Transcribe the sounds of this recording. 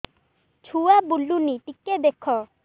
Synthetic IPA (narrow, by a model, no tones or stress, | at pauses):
t͡ʃʰuabulːuniʈikːed̪ekʰɔ